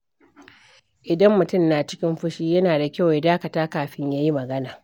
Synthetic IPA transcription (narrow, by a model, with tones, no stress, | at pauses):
ʔɪ˨dɐ˦mːʊ˨tʊ˦˨mnaː˨t͡ʃɪ˦kʲɪ˦mɸʊ˦ʃiː˦jɐ˦naː˨da˨kʲa˦˨wja˨˦daː˦kɐ˨taː˦kaː˨ɸɪ˦ɲjaː˦ji˦mɐ˨ɡɐ˦naː˨